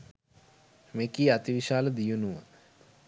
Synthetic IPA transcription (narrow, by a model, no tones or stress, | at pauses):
mekiːat̪iʋiʃaːləd̪ijunuʋə